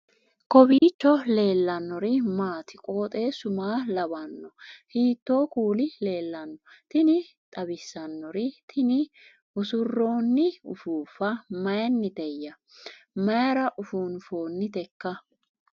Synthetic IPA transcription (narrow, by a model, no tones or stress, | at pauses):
kɔbiːt͡ʃːɔle̞ːlːɐnːɔɾɪmaːt̪ʰɪkʼo̞ːt̪ʼe̞ːsʊmaːlɐbɐnːɔhiːt̪ːo̞ːkuːlɪle̞ːlːɐnːɔt̪ɪnɪ | t̪ʼɐbɪsːɐnːɔɾɪt̪ʰɪnɪ | ʊsʊrːo̞ːnːɪʊ̰fuːfɐmɐjnːɪd̪ɛjːɐ | mɐjɾɐʔʊfuːnfo̞ːnːɪt̪ɛkːɐ